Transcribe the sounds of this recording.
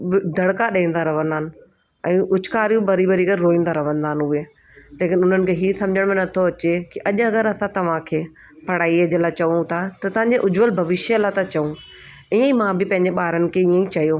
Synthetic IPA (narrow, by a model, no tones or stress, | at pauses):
d̪ʱɐɽkaɗɐĩːn̆d̪aɾɐʋ̤ə̃nd̪aːnɪ̆ | ɛ̃ːʔʊt͡ɕkaːɾjũbɐɾibɐɾiɡəɾɾoːĩːnd̪aɾɐʋ̤ə̃nd̪aːnɦʊeː | leːkɪnʊn̤ənɪ̆kʰeːɦiːsɐ̃md͡ʑʱəɽ̃mẽnɐt̪ʰoɐt͡ɕekiʔɐʄɐɡəɾɐsãt̪ɐʋ̤ãkʰeː | pɐɽ̤aːiɐd͡ʑəlaːt͡ɕɐʋũt̪ʰat̪ɐt̪ɐʋ̤ãɲd͡ʑeʔʊd͡ʑʋəlbʱɐʋɪʃjəlat̪ɐt͡ɕɐũ | iːə̃ĩmãbɪpɐ̃ɪ̃ɲd͡ʑeɓaːɾənɪ̆kʰeiːə̃ĩt͡ɕɐjoː